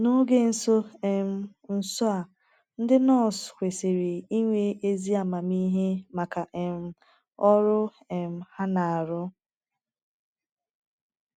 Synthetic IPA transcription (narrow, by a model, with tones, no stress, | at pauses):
no˦ɡe˦n̩˨so˦e˨m̩˦ | n̩˨sʊ˦a˨ | n̩˦dɪ˦nɔ˦˨skʷe˨se˨ɾe˨i˦ŋʷe˦e˦zi˦a˨ma˨mi˦ɦe˦ma˨ka˨ʔe˨m̩˦ | ɔ˦ɾʊ˦ | e˨m̩˨ha˦na˨a˨ɾʊ˦